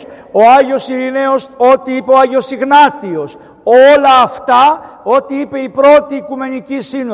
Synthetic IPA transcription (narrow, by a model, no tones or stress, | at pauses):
o̞ɐʝo̞siɾineoso̞t̪iipe̞oɐʝeo̞siɣnɐt̪io̞s | olɐːft̪ɐ | o̞t̪iipe̞ipɾo̞t̪iːkume̞nicisin